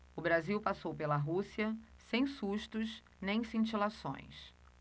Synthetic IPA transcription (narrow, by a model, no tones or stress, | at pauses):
ʊbɾaziwpasowpelɐɦusiɐ | sẽj̃suʃt̪ʊs | nẽj̃sĩnt͡ʃilasõ̰j̃s